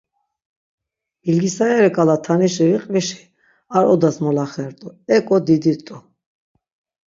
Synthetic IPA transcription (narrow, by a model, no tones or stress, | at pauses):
ilɡisaɛɾɛkʼalat̪ʰaniʃiɾiqʼviʃi̥ | aɾɔd̪asmɔlaχɛɾt̪ʼɔɛkʼɔd̪id̪it̪ʼu